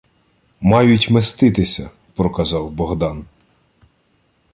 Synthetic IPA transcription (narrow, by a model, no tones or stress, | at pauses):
mɑjʊtʲmest̪ɪt̪ɪsʲɐ | pɾɔkɐzɑwbɔɦd̪ɑn